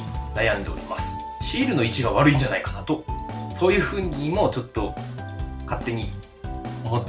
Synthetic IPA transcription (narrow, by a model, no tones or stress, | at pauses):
najãnd̪e̞o̰ɾʲimasɨ̥ | ɕiːɾɯ̟no̞it͡ɕiɡaβ̞aɾɯ̟ĩɲd͡ʑanaikanat̪o̞so̞ːjɯ̟ːɸɯ̟ːɲ̟imo̞t͡ɕo̞t̪ːo̞ | kat̪ːe̞ɲ̟i | omo